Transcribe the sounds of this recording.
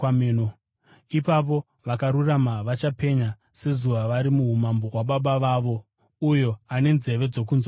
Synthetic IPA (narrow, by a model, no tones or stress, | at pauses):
meno | ipap̬o̞ | ʋakaɾuramaʋat͡ʃape̞ɲa | se̞zuʋaʋaɾimuɦumambo̞ɦwaɓaɓaʋaʋo | ujo̞ane̞nze̞ʋe̞d͡zo̞k̬unza